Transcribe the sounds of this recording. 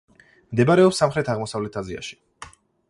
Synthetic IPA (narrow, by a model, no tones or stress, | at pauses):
md̪ɛbaɾɛɔpsːamχɾɛt̪ʰaʁmɔsavlɛt̪ʰazia̰ʃi̥